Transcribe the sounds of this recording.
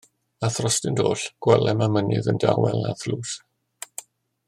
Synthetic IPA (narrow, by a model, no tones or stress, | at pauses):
aθrɔstɪndoːɬɡ̥wɛlɛmamənɨ̰ðəndawɛlˠnaθluːs